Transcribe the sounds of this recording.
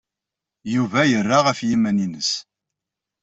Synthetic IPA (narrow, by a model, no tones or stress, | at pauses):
juvæjərːaʁəfjimæninəs